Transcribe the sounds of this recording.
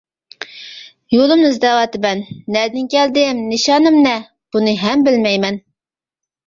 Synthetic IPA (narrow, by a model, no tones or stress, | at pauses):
jolˠɨmnɨzd̪ɛwɑt̪ɨbɛnːɛd̪ɪnkʲɛld̪ɪmnɪʃɑnɨmnɛ | b̥unɨɦɛmbɪlmɛjmɛn